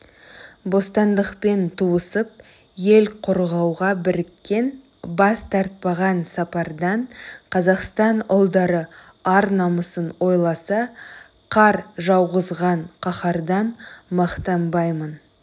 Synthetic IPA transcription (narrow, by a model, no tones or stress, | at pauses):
bo̞st̪ɑnd̪əqpe̞nt̪ʰuəsəp̚ | je̞lqʰo̞ɾʁɑwʁɑbɪɾɪkʲːe̞n | bɑst̪ʰɑɾt̪̚pɑʁɑnsɑpɑɾd̪ɑɴqʰɑzɑqst̪ɑnʊlˠd̪ɑɾə | ɑɾnɑməsənwo̞jlˠɑsɑ | qʰɑɾʒɑwʁəzʁɑɴqʰɑχɑɾd̪ɑnmɑqt̪ɑmbɑjmən